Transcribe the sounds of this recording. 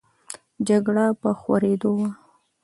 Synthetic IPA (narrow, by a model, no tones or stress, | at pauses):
d͡ʒaɡɽapəxwaɾed̪owa